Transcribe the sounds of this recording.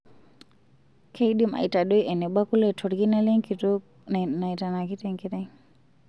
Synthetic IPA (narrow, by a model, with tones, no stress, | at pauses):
kʰe˦i˦ɗi˦ma̰˨i˨ta˨ɗo˦jɛ˨nɛ˨ɓa˦ku˦lɛ˨tʰɔ˨ɾki˦na˦lɛ˦ŋki˨to˦ | na˨i˨ta˨na˨ki˦tɛ˦ŋki˦tɛ˦ŋ